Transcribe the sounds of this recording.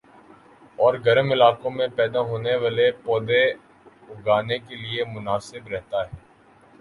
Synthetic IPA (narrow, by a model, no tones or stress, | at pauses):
ɔːɾɡɐɾmɪlaːkõmẽpɛːd̪aɦoːneʋaːlepɔːd̪e | ʊɡaːnekeliemʊnaːsɪbɾɛɦt̪aɦɛː